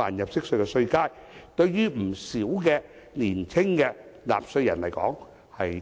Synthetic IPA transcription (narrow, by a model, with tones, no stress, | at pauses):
aː˨˩njɐ˨p̚sɪ˥k̚sɵ˧ɥkɛː˧sɵ˧ɥkaː˥jt̪ɵ˧ɥjyː˥m̩˨˩siː˨˥wkɛː˧ | liː˨˩nt͡sʰɪ˥ŋkɛː˧la̰ː˨p̚sɵ˧ɥjɐ˨˩nlɐ˨˩jkɔ̰ː˨˥ŋ | hɐ˨j